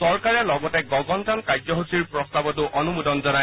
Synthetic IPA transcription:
sɔɹkaɹɛlɔɡɔtɛɡɔɡɔnzankajzɔɦosiɹpɹɔstabɔtʊʔɔnumudɔnzɔna

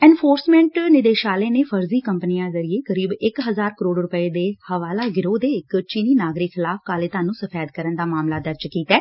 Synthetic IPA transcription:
ɛ̃ːnfʰoːɾsmɛ̃ːɳʈnɪd̪eːʃaːleːneːpʰəɾziːkəmpəniãːzəɾieːkəɾiːbɪkɦəzaːɾkəɾoːɖɾʊpəeːd̪eːhəʋaːlaːɡɪɾoːd̪eːɪkt͡ʃiːniːnaːɡɾɪkxɪlaːfkaːleːt̪aːnũːsəfʰɛːd̪kəɾənd̪aːmaːmlaːd̪əɾd͡ʒkiːt̪ɛː

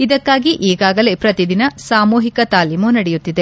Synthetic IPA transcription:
id̪ɐkːaːɡiʔiːɡaːɡɐle̞pɾɐt̪id̪inɐsaːmuːɦikɐt̪aːlimunɐɽɛjut̪ːid̪e̞

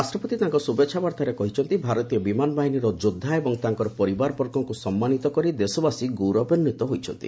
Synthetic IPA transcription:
ɾasʈɾɔpɔt̪it̪aŋkɔsubetːt͡ʃʃʰabaɾt̪aɾekɔɦit͡ʃʰɔnt̪ibʱaɾɔt̪ijɔbimanɔbaɦiniɾɔd͡ʒod̪ʱːaebɔŋt̪aŋkɔɾɔpɔɾibaɾɔpɔɾkɔŋkusɔmːanit̪ɔkɔɾid̪esɔbasiɡoɾɔbɔnːit̪ɔɦojt͡ʃʰɔnt̪ḭ

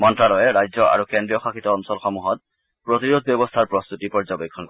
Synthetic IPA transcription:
mɔntɹalɔjɛɹajzɔʔa̰ɹukendɹijɔxaxit̪ɔːnsɔlxɔmuɦɔt̚ | pɹot̪iɹod̪ʱbjɔbɔst̪ʰaɹpɹɔst̪utipɔɹzɔbekʰːɔnkɔ

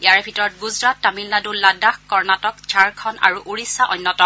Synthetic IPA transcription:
ijaɹɛbʱitɔɹɔt̚ɡuzɹatːamilːadulːadaxkɔɹnatɔkd͡ʒaɹkʰɔnʔa̰ɹuʔuɹisːaʔɔjnːɔtɔ

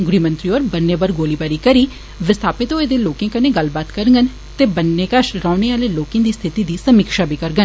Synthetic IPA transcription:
ɡʊɾiːmə̃nt̪ɾiːoːɾbənːeːbəɾɡoːliːbaːɾiːkəɾiː | ʋɪst̪ʰaːpɪt̪õːeːd̪eːloːkẽːkəneːɡəlbaːt̪kəɾɡən | t̪eːbənːeːkəʃɾãːneːaːleːloːkẽːd̪iːst̪ʰɪt̪iːd̪iːsəmikʃaːbiːkəɾɡən

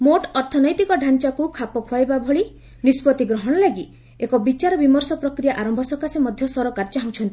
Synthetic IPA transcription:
moʈɔɾt̪ʰɔnɔjt̪ikɔɖʱant͡ʃakukʰapɔkʰuajbabʱɔɭi | nispɔt̪iɡɾɔɦɔɽ̃ɔlaɡi | ekɔbit͡ʃaɾɔbimɔɾsɔpɾɔkɾijaʔaɾɔmbʱɔsɔkasemɔd̪ʱjɔsɔɾɔkaɾɔt͡ʃaɦũt͡ʃʰɔnt̪i

